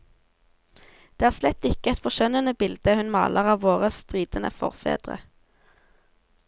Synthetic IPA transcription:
d̪̥eːæːʁslɛt̪ɪkəɛt̪fɔʃœnənəbɪld̪̥əhʉnmɑ̰ːlʔəʁɑːʋoːʁəsst̪ʁiːd̪̥ənʔə̰fɔ̰ʁfḛːd̪̥ʁə̰

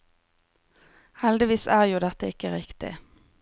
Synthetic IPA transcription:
hɛld̪ɪʋiːsæːʁjuːd̪ɛt̪əɪkəʁɪkt̪ɪ̰

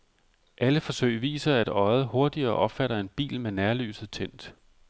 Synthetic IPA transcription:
ʔæləfɒ̽sø̰ɪ̰ʋḭːsɐæd̥ɒ̽ɪð̩ˠho̝ɐd̥iɐːʔɒ̽b̥fæɾɐe̝nb̥ḭːlmenæɐly̰ːsð̩ˠt͡sʰen̰d̥

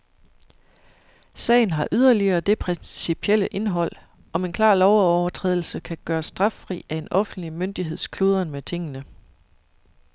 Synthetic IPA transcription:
sɛ̰ɪn̩ɦɑ̈ʔyð̞ˠɐliɐːd̥e̝pʰʁɛnsipʰel̰əʔe̝nɦɒ̽l̰ | ʔɒ̽me̝nkʰlɑ̰̈ːlɒʊɒʊɐt͡sʰʁɛ̰ðˠl̩səkʰæɡ̥ɶːɐsd̥ʁɑ̈fʁḭːæe̝nʔɒ̽fn̩d̥limønd̥iɦe̝ð̞̰ˠskʰlo̝ːð̞ˠɐnmet͡sʰe̝ŋ̰ənə

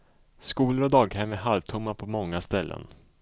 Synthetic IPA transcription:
skuːləɾɔd̪ɑːɡhɛmæɦalvt̪ʰɵmːapʰɔmɔŋːast̪ɛlːə̰n

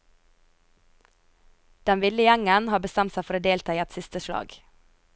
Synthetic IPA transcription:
d̪̥ɛnʋɪlɪjɛŋənhɑːbəst̪ɛmt̪sæɪfɔɾoːd̪eːlt̪ʰɑːiːɛt̪sɪst̪əʃlɑ̰ːɡ

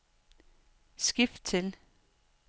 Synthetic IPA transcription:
sɡ̥ifd̥̚t͡sʰe̝l

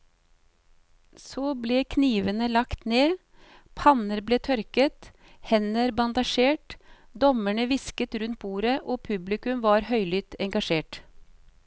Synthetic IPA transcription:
soːbleːkʰniːʋənəlɑkt̪neː | pʰɑnəɾbleːt̪ʰœɾkət̪ | hɛnəɾbɑnd̪ɑʃeːʈd̪ɔməɳəʋɪskət̪ɾʉnt̪̚buːɾəʔoːpʰʉblɪkʉmʋɑːɾhœʏlʏt̪ɛŋɡɑʃeːʈ

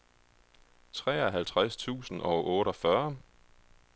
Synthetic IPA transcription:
t͡sʰʁɛ̰ːɒɦælt͡sʰʁast͡sʰṵːsn̩ʔɒ̽ʊʔɔːɾ̥ɒ̽fɶɐ

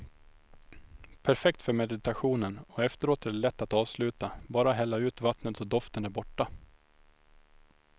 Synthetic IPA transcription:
pʰæɾfɛkt̪fœɾmɛd̪ɪɪt̪aɧuːnənɔɛft̪əɾoːt̪ɛɖɛlɛt̪ːat̪ɑːvslʉ̟ːt̪abɑːɾaɦɛlːaʉ̟ːt̪vat̪nət̪ɔd̪ɔft̪ənæɾbɔʈːa

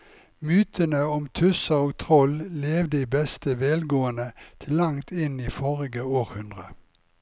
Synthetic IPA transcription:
myːt̪ʰənəɔmt̪ʰʉsəoːɡt̪ʰʁɔlleːʋd̪əiːbɛst̪əʋɛlɡoːənət̪ʰɪlːɑŋt̪ʰɪniːfɔʁɪɡəoːʁhʉnd̪ʁə

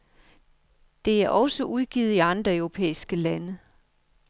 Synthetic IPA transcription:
d̥e̝æɐʔɒ̽səʔuð̞ˠɡ̥iːð̩ˠiɑ̈nd̥ʁɐœʊʁo̝pʰḛːisɡ̥əlænə

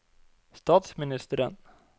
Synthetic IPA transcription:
st̪ɑːt̪smɪnɪst̪əɾə̰n

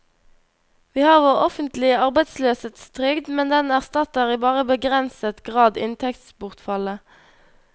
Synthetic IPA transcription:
ʋiːhɑːʁʋoːʁɔfənt̪lɪəɑʁbæɪt̪sløːsət̪st̪ʁʏɡd̪mɛnd̪ɛnæʁst̪ɑt̪ɑʁiːbɑːʁəbəɡʁɛnsət̪ɡʁɑːd̪ɪ̰nt̪ʰɛkt̪sbʊʁt̪fɑlə

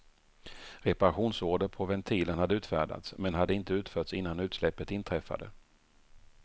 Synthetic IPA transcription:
ɾɛpaɾaɧuːnsoːɖəɾpʰɔvɛnt̪ʰiːlənhad̪ːəʉ̟ːt̪fæ̰ːɖa̰t̪smɛnɦad̪ːəɪnt̪əʉ̟ːt̪fœːʈsɪnːanʉ̟ːt̪slɛpːət̪ɪnt̪ʰɾɛfa̰d̪ə̰

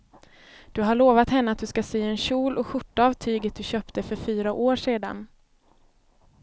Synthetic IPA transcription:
d̪̥ɵɦaɭoːvat̪hɛnːəat̪̚d̪ɵskaseːɛnɕuːlʔɔɧʊʈːaavt̪ʰyːɡət̪̚d̪ɵɕøːpt̪əfœɾfyːɾaʔoːʂeːd̪a̰n

